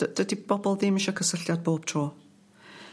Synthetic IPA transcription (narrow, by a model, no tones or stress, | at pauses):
əd̥ədib̥ɔbɔlˠðɪmɪʃɔkʰəsəɬjɔd̚boːb̥̚tʰr̥oː